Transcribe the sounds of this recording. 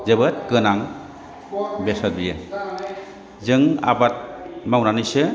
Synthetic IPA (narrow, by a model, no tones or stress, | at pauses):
zebɯt̚kɯnaŋ | besabijɯ | zɯŋa̰bat̚mawnanɯsɯ